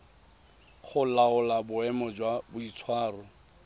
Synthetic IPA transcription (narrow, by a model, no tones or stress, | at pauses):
χʊlaʊlabʊɛmɔd͡ʒwabʊit͡sʰwaːrʊ